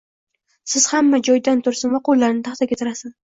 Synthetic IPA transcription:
sɪz̥hamːad͡ʒɒjd̪ant̪ʰʊɾsɪnvaqolːaɾnɪt̪ʰaχt̪ʰakʲat̪ʰɪɾasɪz

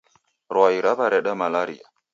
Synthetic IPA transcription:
ɾɔaiɾaβaɾɛɗamalaɾḭa̰

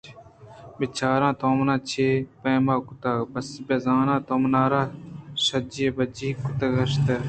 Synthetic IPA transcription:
bet͡ʃʰaːɾãːt̪oːmnãːt͡ʃʰeːpeːmaːkʊt̪aːbɐsbezãːnãːt̪oːmnaːɾãːsəd͡ʒeːbəd͡ʒiːkʊt̪əɡɐʃt̪ɐ

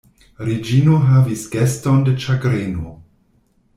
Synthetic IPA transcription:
ɾed͡ʒinoɦavisɡ̥estondet͡ʃaɡɾeno

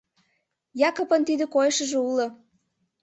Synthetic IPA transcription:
jɑkŏpə̆nt̪id̪ə̆kojʃəʒĕulŏ

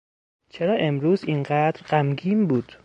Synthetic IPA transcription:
t͡ʃʰeɾɒːʔe̞mɾuːzinɢæd̪ɾɢæmɡiːmbuːd̪̥

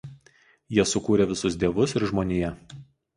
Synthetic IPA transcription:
jiɛsʊkuːɾʲɛʋʲɪsʊsd̪ʲiɛʋʊsɪɾʒmoːnʲejɛ

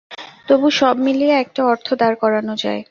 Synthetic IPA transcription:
t̪obuʃɔbmilieɛk̚ʈaɔɾt̪ʰod̪aɾkɔɾanod͡ʑa̰e

